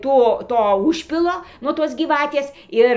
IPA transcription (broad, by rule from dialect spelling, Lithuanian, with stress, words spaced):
ˈtoː ˈtoː ˈʊʃʲpʲɪlˠoː nuɔ ˈtoːs ɡʲiːˈʋɑːtʲeːs ˈɪr